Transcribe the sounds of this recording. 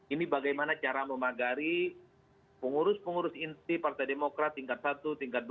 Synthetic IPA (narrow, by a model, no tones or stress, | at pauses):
inibaɡajmanat͡ʃaɾaməmaɡaɾi | pəŋuɾʊspəŋuɾʊsint̪ipart̪ajdemokɾat̪ːiŋkat̪̚sat̪ut̪iŋkat̪̚d